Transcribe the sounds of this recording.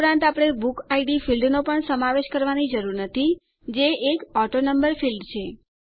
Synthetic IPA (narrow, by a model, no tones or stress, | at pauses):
ɾãnt̪apɽ̃ebukaiɖifilɖnopəɳsəmaʋeʃkəɾʋanid͡ʒəɾuɾnət̪ʰi | d͡ʒeʔːkɔʈonəmbəɾfilɖt͡ʃʰe